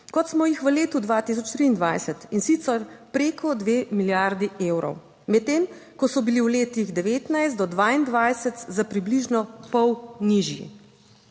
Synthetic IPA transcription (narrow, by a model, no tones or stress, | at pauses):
kɔt̪smɔjixʋəleːt̪ud̪ʋaːt̪is̬ɔt͡ʃt̪ɾiːnd̪ʋajsət̪insit̪səɾpɾeːkʰɔd̪ʋeːmiljaɾd̪ieːwɾɔ̰w | mɛt̪̚ːeːmkɔsɔbiliwleːt̪iɣd̪ɛʋeːt̪najszt̪ɔd̪ʋaːind̪ʋajsɛt̪zapɾibliʒnɔpɔwniʒjḭ